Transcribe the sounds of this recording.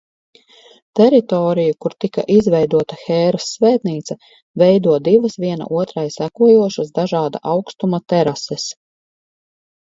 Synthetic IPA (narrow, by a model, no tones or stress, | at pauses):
t̪ɛɾit̪ɔːɾijukuɾt̪ika̰ʔizvɛjd̪uɔt̪axɛːɾasːvɛːt̪niːt̪sɐ | vɛjd̪uɔd̪iʋɐsʋiɛna̰ʔuɔt̪ɾajsækuɔjuɔʃasd̪aʒɑːd̪a̰ʔawkst̪umat̪ɛɾasɛs